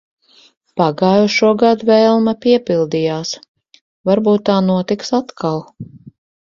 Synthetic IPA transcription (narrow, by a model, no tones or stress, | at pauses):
paɡaːjuʃuɔɡad̪vɛːlˠmapiɛpilˠd̪ijaːs | vaɾbuːt̪ːaːnuɔt̪iksat̪kʰalˠ